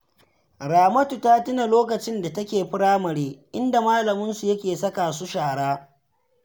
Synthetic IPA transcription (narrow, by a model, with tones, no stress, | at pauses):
ɾaː˨mɐ˦tu˨taː˦tɪ˦na˨loː˦kɐ˨t͡ʃɪ˦nda˨tɐ˦kʲeː˨ɸɪ˦ɽaː˦mɐ˨ɾeː˦ʔɪ˦nda˨maː˦lɐ˨mʊ˦nsu˨jɐ˦kʲeː˨sɐ˦kaː˨su˦ʃaː˨ɽaː˦